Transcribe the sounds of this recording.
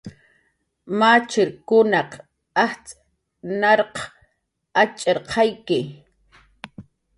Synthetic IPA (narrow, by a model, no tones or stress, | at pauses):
mat͡ʃɪɾkʊnɑq | aht͡sʼ | nɑɾq | at͡ʃʼeɾqʰɑjkɪ